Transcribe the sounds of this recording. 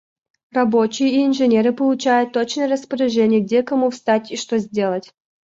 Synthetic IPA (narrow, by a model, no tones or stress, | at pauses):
rɐbo̞t͡ɕɪjəiɪnʐɨnʲeɾɨpəlˠʊt͡ɕæjʊt̪ːot͡ɕnəjəɾəspəɾʲɪʐɛnʲɪjəɡ̚dʲekɐmufst̪atʲiʂt̪ozʲdʲe̞lˠətʲ